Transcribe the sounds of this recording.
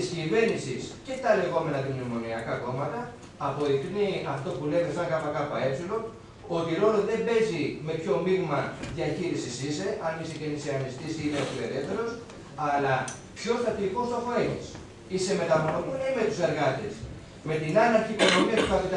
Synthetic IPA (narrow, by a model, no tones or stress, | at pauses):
scive̞nisisce̞t̪ɐle̞ɣo̞me̞nɐðimnimo̞niɐkɐko̞mɐt̪ɐː | po̞ðikniɐft̪o̞pule̞ðesɐŋkɐpɐkɐpɐe̞psilo̞ | ot̪iɾo̞loðe̞be̞zime̞pço̞miɣmɐðʝɐçiɾisisise̞ʔɐniseceniseɐnist̪isiiðeot̪ile̞ɾeft̪ːe̞ɾo̞s | ɐlɐ | pço̞st̪ɐt̪iːko̞st̪o̞xoenis | ise̞me̞t̪ɐmonomunime̞t̪use̞ɾɣɐt̪ḛs | me̞t̪inɐnɐɾçikono̞miɐt̪ukɐt̪it̪